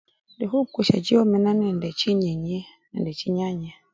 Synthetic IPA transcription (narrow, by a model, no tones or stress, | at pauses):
ndɛɦukuʃa̰d͡ʒiɔmɛnanɛndɛt͡ʃiɲɛɲɛ | ɛndɛt͡ʃiɲaɲa